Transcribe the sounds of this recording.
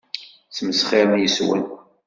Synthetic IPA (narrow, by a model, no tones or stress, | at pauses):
t͡sməsχeɾmjəswæ̰n